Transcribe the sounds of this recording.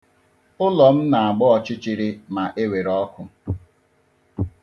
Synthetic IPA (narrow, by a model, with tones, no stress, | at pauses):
ʊ˦lɔ˨m̩˦na˨a˨ɡ͡bɔ˦ɔ˨t͡ʃɪ˦t͡ʃɪ˦ɾɪ˦ma˨ʔe˦we˨ɾɔ˦kʊ˦